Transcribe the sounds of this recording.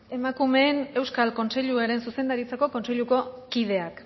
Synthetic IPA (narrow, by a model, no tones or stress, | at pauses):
e̞makume̞ːne̞wskalko̞nse̞ʎuaɾe̞nsuse̞nd̪aɾit͡sako̞ko̞nse̞ʎuko̞kiðe̞ak